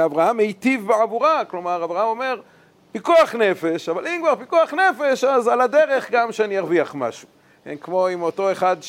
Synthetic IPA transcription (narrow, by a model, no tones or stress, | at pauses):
avʁahamejt̪ivbeʕavuʁaklo̞maʁavʁahamo̞me̞ʁ | pikuaχne̞feʃavalimkvaʁpikuaχne̞fe̞ʃazalad̪eʁe̞χɡamʃeanijaʁviaχma̰ʃu̥ | kenkmo̞imo̞to̞eχad̪